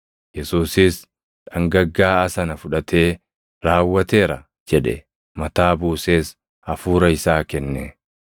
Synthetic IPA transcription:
jɛsuːsɪs | ᶑɐŋɡɐɡːaːɐsɐnɐfʊᶑɐt̪ʰe̞ː | ɾaːwːɐt̪e̞ːɾɐ | d͡ʒɛᶑɛ̰ | mɐt̪aːbuːse̞ːs | ɐfuːɾɐɪsaːkɛnːɛ

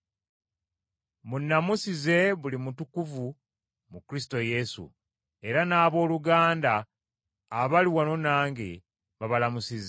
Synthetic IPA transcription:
munːamusize̞βulimutukuvu | mukɾis̬i̥to̞je̞sṵ | e̞ɾanaːβo̞ːluɡaːndaː | βaliwano̞naːŋɡe | βaβalamusize

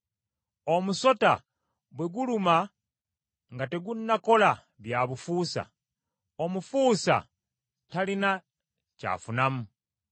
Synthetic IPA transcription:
o̞muso̞ta̰ | βwe̞ɡuluma | ŋɡate̞ɡunːako̞la | βjaβufuːsa̰ | o̞mufuːsa̰ | talina | ca̰funamu

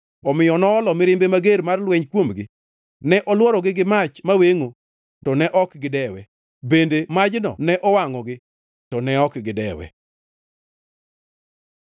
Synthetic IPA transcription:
ɔmɪjɔnɔːlɔmɪɾɪmbemaɡeɾmarlwɛɲkwomɡɪ | nɛʔɔlwɔɾɔɡɪɡɪmat͡ʃmaweŋo | ttɔnɛʔɔkɡɪdɛwɛ | bendemad͡ʒnɔ̰nɛʔɔwaŋɔɡɪ | tɔnɛɔkɡɪdɛwɛ̰

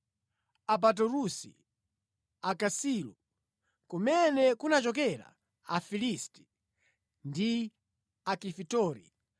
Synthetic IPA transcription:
ap̬at̬ɔɾusḭ | akasiːlu | kumɛnɛkunat͡ʃɔk̬ɛɾa̰ | afilisti̥ | ndi | akifitɔːɾḭ

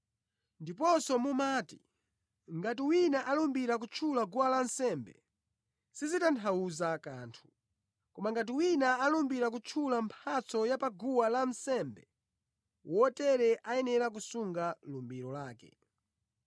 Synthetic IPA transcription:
ndip̬ɔsɔmumaːti | ŋɡat̬iwinaʔalumbiɾak̬ut͡ʃʰulaɡuwalansɛmbɛ̰ | sizitantʰauzaka̰ːntʰu̥ | kɔmaŋɡat̬iwinaalumbiɾak̬ut͡ʃʰulampʰat͡sɔjapaɡuwalam̩sɛmbɛ | wɔtɛɾɛʔajɛnɛɾakusuŋɡalumbiɾɔlaːkɛ̰

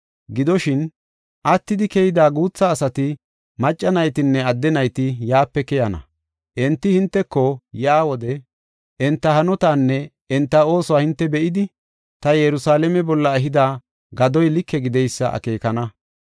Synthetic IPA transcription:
ɡɪd̪ɔʃɪn | ʔɐt̪ːɪd̪ɪkɛjɪd̪aːɡuːt͡sːɐːsɐt̪ɪ | mɐt͡ʃʼːɐnɐjt̪ɪnːɛɐd̪ːɛnɐjt̪ɪjaːpːɛkɛjɐnɐ̰ | ʔɛnt̪ːɪhɪnt̪ːɛkːɔjaːwɔd̪ɛ | ʔɛnt̪ːɐhɐnɔt̪aːnːɛ | ɛnt̪ːɐo̞ːsɔwaːhɪnt̪ːɛbɛʔɪd̪ɪ | t̪ɐjɛɾʊsaːlɛmɛbɔlːɐɛɦɪd̪aː | ɡɐd̪ɔjlɪkʰːɛɡɪd̪ɛjsːɐ̰ʔɐ̰ke̞ːkɐnɐ

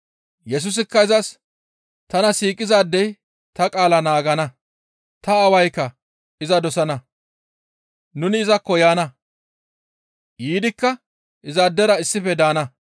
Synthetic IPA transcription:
jɛs̬ʊs̬ɪkːɐɪzɐs | t̪ɐnɐsiːkʼɪzaːd̪ːɛj | t̪ɐkʼaːlɐnaːɡɐnɐ | t̪ɐːwɐjkːɐ | ɪzɐd̪ɔsɐnɐ | nʊnɪːzɐkːɔjaːnɐ | jiːd̪ɪkːɐ | ʔɪzad̪ːɛɾɐɪsːɪfɛd̪aːnɐ

